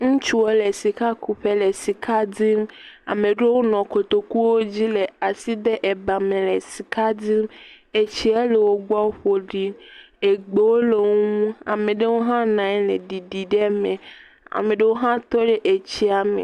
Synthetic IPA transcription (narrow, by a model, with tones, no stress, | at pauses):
ŋũ˦t͡ʃu˦wo˦le˨si˨ka˦ku˨ɸe˦le˨si˨kʰa˦di˦ma̰˨mẽ˨ɖe˦wo˦nɔ̃˨ko˨t̪o˨ku˦wo˦d͡ʑi˦le˨a˨si˦d̪e˦ʔɛ˨ba˨mẽ˨lɛ˨si˨kʰa˦di˦m | e˨t͡ɕi˦ɛ˦le˨wo˦ɡ͡ba˦ɸo˨ɖi˦ | e˨ɡ͡be˨wo˦le˨o˦ŋũ˦a˨mẽ˨ɖe˦wo˦ɦã˦nã˨ɛ˦le˨ɖi˨ɖi˨ɖe˦mẽ˨ | a̰˨mẽ˨ɖe˦wo˦ɦã˦t̪ɔ˦ɖe˦ʔe˨t͡ɕi˦a˦mḛ˨